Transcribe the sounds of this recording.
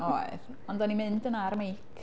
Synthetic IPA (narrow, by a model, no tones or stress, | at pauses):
oɨð | ɔndɔnimɨndənarmejkʰ